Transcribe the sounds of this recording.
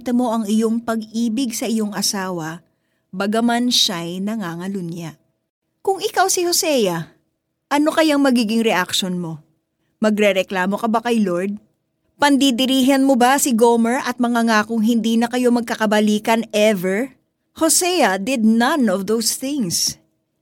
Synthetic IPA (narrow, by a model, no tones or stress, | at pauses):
t̪ɐmo̞ʔɐŋɪjo̞ŋpɐɡ̚ʔiːbɪɡsɐʔɪjo̞ŋɐsaːwɐ | bɐɡɐmanʃajnɐŋaŋɐlʊnjaʔ | kʊŋɪkawsɪho̞sɛjɐ | ʔɐno̞kɐjaŋmɐɡiːɡɪŋɾɛʔak̚ʃonmo̞ | mɐɡɾɛɾɛklaːmo̞kɐbakɐjlo̞ɹd̪̚ | pɐnd̪id̪ɪɾiːɦɐnmobasɪɡomɛɹʔɐt̪̚mɐŋaŋakʊŋɦɪnd̪iːnɐkɐjo̞mɐɡ̚kɐkɐbɐliːkɐnɛvɛɹ | hosɛjɐd̪ɪd̪̚nɐnɔvd̪owsθɪ̃ŋs